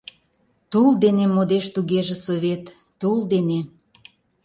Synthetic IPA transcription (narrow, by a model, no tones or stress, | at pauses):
t̪uld̪enemod̪eʃt̪uɣeʒĕsoβet̪ː | uld̪ene